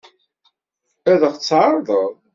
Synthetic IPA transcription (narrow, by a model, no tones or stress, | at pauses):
æðəχt͡sːʕɾˤðˤəðˤ